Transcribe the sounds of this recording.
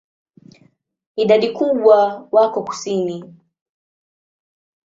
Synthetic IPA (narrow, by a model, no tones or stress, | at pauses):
iɗaɗikuɓwawakɔku̥sini